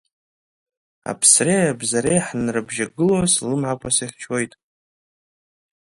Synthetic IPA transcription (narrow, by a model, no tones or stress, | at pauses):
a̰pʰsreabzaɾejħnrɨbʒaɡɨloslɨmʕakʷʰʼasaχʲt͡ʃʰo̞jtʼ